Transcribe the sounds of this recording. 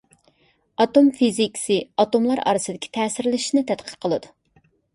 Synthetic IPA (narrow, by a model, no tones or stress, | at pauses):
ɑt̪omfizikʲsɨɑt̪omlˠɑɾɑ̰ɾɨsɨd̪ɪkʲʰi̥t̪ʰɛːsɪɾlɪʃinɪt̪ʰɛt̪qʰə̥qʰːəlˠɨd̪ʊ